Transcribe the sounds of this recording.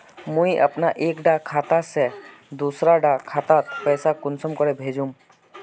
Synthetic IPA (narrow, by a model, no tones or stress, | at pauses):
mũjʔə̰pnaʔekɖakʰat̪asɛ | d̪usɾaɖakʰat̪at̪pɛjsakʊnsɔmkɔɾɛbʱed͡ʒum